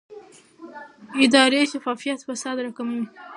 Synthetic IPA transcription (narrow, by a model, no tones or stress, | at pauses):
ɪd̪ɑɾeʃafɑfijat̪fasɑd̪ɾakami